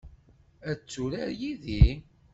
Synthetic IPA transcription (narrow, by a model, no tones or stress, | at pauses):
æt͡sːuɾæ̰ɾjiði